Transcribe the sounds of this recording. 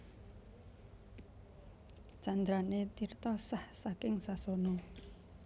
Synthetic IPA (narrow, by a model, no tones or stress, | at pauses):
d͡ʒ̥and̪ɾanet̪irt̪ɔsahsakɪŋsasono